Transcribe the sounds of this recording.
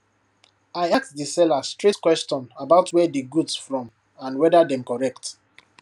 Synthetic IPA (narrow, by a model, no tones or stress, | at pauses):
aɪaktdisɛlastɹitkwɛst͡ʃɔ̃nabaʊtʰwɛdiɡudsfɹɔ̃m | ãnwɛdadɛ̃mkɔɹɛk̚t